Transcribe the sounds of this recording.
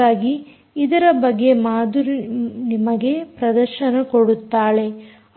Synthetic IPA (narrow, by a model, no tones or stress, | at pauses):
aːɡiː | d̪ɐɾɐbɐɡːe̞maːd̪uɾinimɐɡe̞pɾɐd̪ɐɾʃɐnɐkoɽut̪ːaːɭe̞